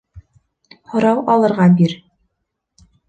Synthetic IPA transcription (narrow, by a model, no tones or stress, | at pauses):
hŏɾɑwɑlˠɤ̆ɾʁɑbiɾ